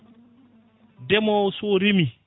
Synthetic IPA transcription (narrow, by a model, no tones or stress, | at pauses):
dɛmɔsoɾimi